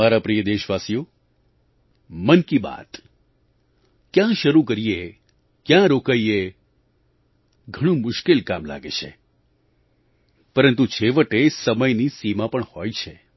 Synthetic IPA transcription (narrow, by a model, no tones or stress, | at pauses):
aɾapɾijəd̪eʃʋasijo | mənkiba̰t̪ | kjãʃəɾukəɾie | kjãɾokaie | ɡʱəɽ̃ũmʊʃkelkamla̰ɡḛt͡ʃʰe | pəɾənt̪ut͡ʃʰeʋəʈesəməjnisimapəɳhojt͡ʃʰe